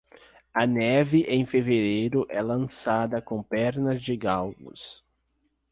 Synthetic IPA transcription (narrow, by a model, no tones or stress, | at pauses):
ɐnɛvɪʔẽj̃feveɾejɾʊʔɛlɐ̃sad̪ɐkõpɛɾnɐzd͡ʒɪɡawɡʊ̰s